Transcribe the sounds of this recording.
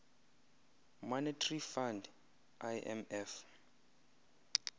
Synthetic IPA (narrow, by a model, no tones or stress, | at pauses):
mɔnɛtʰarifand | ʔajʔɛ̰mɛf